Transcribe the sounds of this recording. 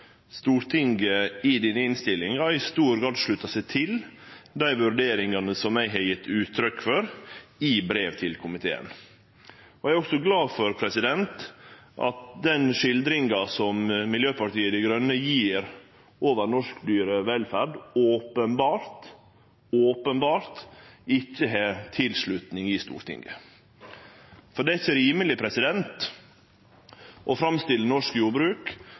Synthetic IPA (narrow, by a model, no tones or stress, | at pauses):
st̪uːɾt̪ʰɪŋɡəɪd̪ɪnɪnst̪ɪlːɪŋɑɾɪst̪uːɾɡɑd̪ʂɭʉt̪ːɑsæɪt̪ʰɪld̪æɪʋʉɾɖeːɾɪŋɑnəsɔmːæɪɦɑɾjɪt̪ːʉːt̪ʰːɾʏkfɔɾɪbɾeːʋt̪ʰɪlkʰʊmɪt̪ʰḛːə̰n | ɔæɪɾɔksɔɡlɑːfɔɾpʰɾɛsɪd̪ɛnt̪ʔɑ̰t̪̚d̪ɛnʂɪld̪ɾɪŋɑsɔmmɪljøːpʰɑʈiːəd̪ɛɡɾœnːəjiːɾ | ʔoːʋəɾnɔʂkd̪yːɾəʋɛlfæɖoːpənbɑːɾt̪ | oːpənbɑːɾt̪ɪçːəɦet̪ʰɪlsɭʉt̪nɪŋɪst̪ṵːɾʈ̪ʰɪ̰ŋɡə̰ | fɔɖɛɪçːəɾiːməlɪpʰɾɛsɪd̪ɛnt̪ | ʔɔfɾɑmst̪ɪlənɔʂkjuːbɾʉːk